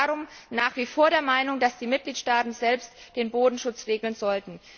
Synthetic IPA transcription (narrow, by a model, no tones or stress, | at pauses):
aʁʊmnaːχv̥iːfoːɐɾeːɐmaɪnʊŋd̥asd̥iːmɪt̚ɡ̥liːtʃtaːtn̩zɛlpstd̥eːnboːdn̩ʃʊt͡sʁeːɡl̩nzɔltn̩